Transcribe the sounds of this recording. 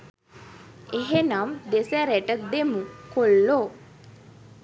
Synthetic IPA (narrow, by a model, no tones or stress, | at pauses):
eɦenamd̪esæɾeʈəd̪emukolːo